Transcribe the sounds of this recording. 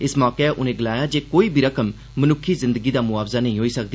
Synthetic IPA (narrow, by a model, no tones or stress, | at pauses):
ɪsmɔːkeɛːʔʊnẽːɡɪlaːjaːd͡ʒeːkoːiːbʱiːɾəkəmː | ənʊkʰːiːzɪ̃nd̪əɡiːd̪aːmʊaːbzaːnəɦĩːɦoːiːsəkd̪i